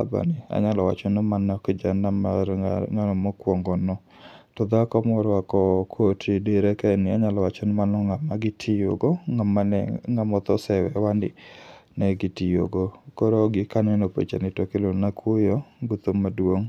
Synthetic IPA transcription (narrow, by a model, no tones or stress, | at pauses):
aba̰nɪa̰ɲalɔwa̰t͡ʃɔnɔmanakd͡ʒanamaɾŋanɔmɔkwɔŋɡɔnɔ | tɔd̪akɔmɔɾɔakɔkʰotʰideɾɛkɛnɪaɲalɔwat͡ʃɔnɔmanɔŋamaɡɪtʰɪjo̰ɡɔŋamaɛŋamɔt̪ɔsɛwɛwandɪ̰nɛɡɪtɪjo̰ɡokɔɾoɡɪkanɛnopḛt͡ʃa̰nɪtɔkɪlonakʰʊjɔɡut̪omadwoŋ